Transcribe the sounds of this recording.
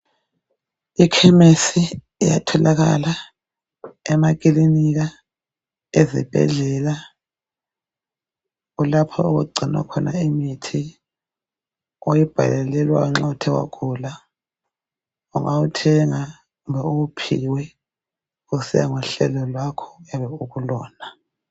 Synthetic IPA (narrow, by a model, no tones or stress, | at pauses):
ikʰɛmesi | ija̰tʰɔlaɣa̰la | ɛmak̬ʼiliniɣa | ezḭb̥ʱɛ̰ɮɛla | ulapʰɔuɣuɡ͡ǀʱinwa̰kʰɔnaimitʰi | ojib̥ʱa̰lɛlɛlwauŋ͡ǁɔtʰɛwa̰kʰʼula | uŋʔautʰɛŋa | ɣumbɛuɣupʰiwɛ | usija̰ŋuɬɛlɔlwakʰɔ̥ɣɛβɛuɣulɔːna